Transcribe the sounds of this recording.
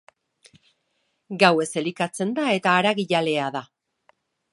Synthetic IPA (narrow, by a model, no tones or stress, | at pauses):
ɡawe̞se̞likat͡se̞nd̪ae̞t̪aːɾaɣiʎale̞aða